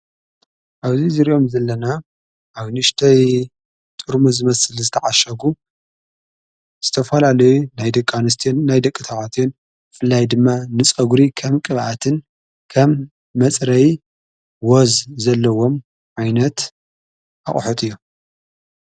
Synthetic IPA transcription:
ʔaβzizɨɾiʔo̞mzɐlːɐna | ʔaβnɨʃt̪ʰɐj | t̪ʼɨɾmuzɨmɐsɨlzɨt̪ʰɐʕaʃɐɡu | z̥ɨt̪ʰɐfɐlalɐjunajd̪ɐkʼːanɨst̪ʰnajd̪ɐkʼːɨt̪ʰaʕat̪ʰon | bɨfɨlːajd̪ɨmːanɨt͡sʼɐɡuɾikʰɐmkʼɨβʔat̪ʰɨn | kʰɐmː | ɐt͡sʼɾɐj | wozzɐlːɐwo̞m | ʕajnɐt̪ | ʔaχʼħot̪ʼɨjːu

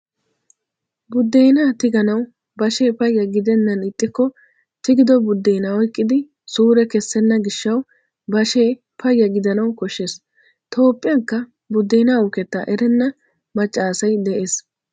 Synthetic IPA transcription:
bʊd̪ːejnaːt̪ɪɡɐnɐw | bɐʃe̞ːpɐjːɐɡɪd̪ɛnːɐnɪt̪ʼːɪkːɔ | t̪ɪɡɪd̪ɔbʊd̪ːejnaɔjkʼːɪd̪ɪ | suːɾɛkɛsːɛnːɐɡɪʃːɐw | bɐʃeː | pɐjːɐɡɪd̪ɐnɐwkɔʃːes | t̪ʰo̞ːpʼːɪjɐŋkːɐ | bʊd̪ːejnaʊkɛt̪ːɐ̰ʔɛɾɛnːɐ | mɐt͡ʃʼːaːsɐjd̪ɛʔe̞ːs

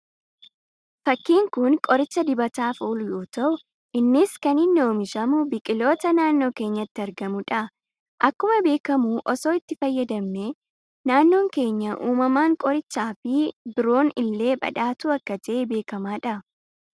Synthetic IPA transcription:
fɐkːiːŋkʊnkʼɔɾɪt͡ʃːɐd̪ɪbɐt̪aːfuːlʊjo̞ːt̪ɐʔʊ | ʔɪnːɪskɐnɪnːo̞ːmɪʃɐmʊbɪkʼɪlo̞ːt̪ɐnaːnːo̞ːke̞ːɲːɐɪt̪ːɪɐɾɡɐmʊᶑɐ | ʔɐkːʊmɐbe̞ːkɐmuʔɔso̞ːɪt̪ːɪfɐjːɐd̪ɐmne | naːnːo̞ːŋke̞ːɲːɐʔuːmɐmaːŋkʼɔɾɪt͡ʃːaːfɪbɪɾo̞ːnɪlːe̞ːbɐ̰ᶑaːt̪uɐkːɐd͡ʒɛʔɛbe̞ːkɐmaːᶑɐ

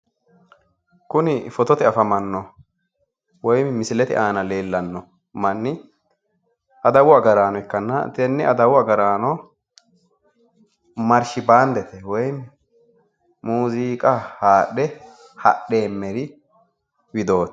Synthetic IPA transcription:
kʊnɪfɔt̪ɔt̪ɪɐfɐmɐnːɔ | wɔjmɪsɪlɛt̪ɪ̰ʔaːnɐle̞ːlːɐnːɔ | mɐnːɪ | ʔɐd̪ɐwʊɐɡɐɾaːnɔɛkːɐnːɐ̰t̪ɛnːɪɐd̪ɐwʊɐɡɐɾaːnɔ | mɐɾʃɪbaːnd̪ɛt̪ɛwɔj | muːziːkʼɐhaːɗɛ | hɐ̰ɗe̞ːmːɛɾɪ | wɪd̪o̞ːt̪

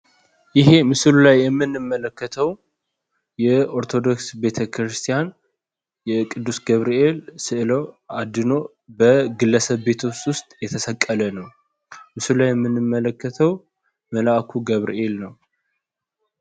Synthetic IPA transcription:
jɪɦe̞mɨsɨlulajːɛmːɨnːɨmːələkːət̪ʰəw | jɛo̞ɾt̪ʰo̞d̪o̞ksbe̞t̪ʰəkʰɾɨst̪ʰijan | jɛkʼɨd̪ːusɡəβɾie̞lsɨʔɨlowad̪ɨno̞ | bəɡɨlːəsəβːe̞t̪ʰwst̪ʼwʊst̪ʼjɛt̪ʰəsəkʼːələnəw | mɨsɨlulajːɛmːɨnːɨmːələkːət̪ʰəw | məlaʔkʰuɡəβɾḭʔe̞lnəw

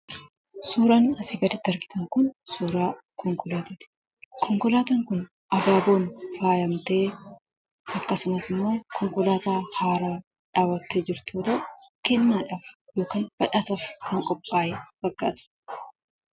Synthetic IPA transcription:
suːɾaːnɐsɪɡɐd̪ɪt̪ːɐɾɡɪt̪ɐŋkʊnsuːɾaː | kɔŋkɔlaːt̪ɐt̪ɪ̥ | kʰɔŋkɔlaːt̪ɐŋkʊn | ʔɐbaːbo̞ːnfaːjɐmt̪eː | ɐkːɐsʊmɐsɪmːo̞ːkʰɔŋkɔlaːt̪aːhaːɾaː | ᶑaːwːɐt̪ːeːd͡ʒɪɾt̪ʰuːt̪ɐʔkɛnːaːᶑafjo̞ːkaːnb̥ɐᶑɐt̪ɐfkʰɐŋkʼɔpʼːaːjɛb̥ɐɡːa̰ːt̪ɐ̥

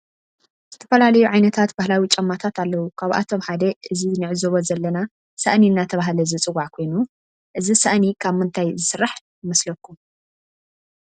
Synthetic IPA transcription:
z̥ɨt̪ʰɐ̥fɐlalɐjuʕajnɐt̪ʰat̪bahlawit͡ʃʼɐmːat̪ʰat̪alːɐwukʰaβʔa̰t̪ʰomħad̪ɐʔɨzinɨʕɨzoβozɐlːɐna | sa̰ʔniɨnːat̪ʰɐβaɦlɐzɨt͡sʼɨwaʕkʰo̞jnu | ʔɨzisaʔnikʰaβmɨnt̪ʰajzɨsɨɾːaħ | jɪmɐslɐkːu

